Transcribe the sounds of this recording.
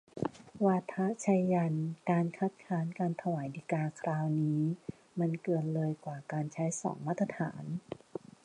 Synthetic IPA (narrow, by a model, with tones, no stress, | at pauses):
waː˧t̪ʰa˦˥t͡ɕʰa˧jːa˧nkaː˧nkʰa˦˥t̪̚kʰaː˦˥nkaː˧nt̪ʰa˧waː˩˦jdi˧kaː˧kʰɾaː˧wniː˦˥ | ma˧nkɤː˨˩ən̚lɤː˧jkwaː˨˩kaː˧nt͡ɕʰa˦˥jsɔ̰ː˩˦ŋmaː˦˥t̪ːɾa˧t̪ʰa̰ː˩˦n